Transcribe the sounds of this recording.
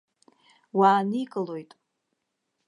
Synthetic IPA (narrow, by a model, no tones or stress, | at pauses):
waːnikʼɨlo̞jtʼ